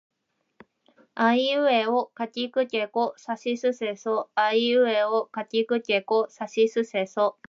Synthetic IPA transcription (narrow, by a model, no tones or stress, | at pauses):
aiɯ̟eokatʲikɯ̟kʲekosaɕisɨsesoaiɯ̟eokatʲikɯ̟kʲekosaɕisɨseso